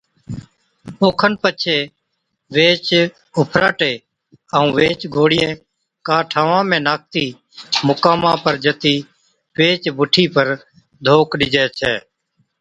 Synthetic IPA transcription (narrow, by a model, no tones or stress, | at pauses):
oːkʰənpət͡ʃʰeː | ʋeːt͡ʃ | ʊpʰɾaːʈeː | əũːʋeːt͡ʃɡʱoːɽɪjẽː | kaːʈʰaːʋãːmẽːnaːk̚t̪iː | mʊkaːmãːpəɾd͡ʒət̪iː | ʋeːt͡ʃbʊʈʰiːpəɾ | d̪ʱoːkɗɪd͡ʒɛːt͡ʃʰɛː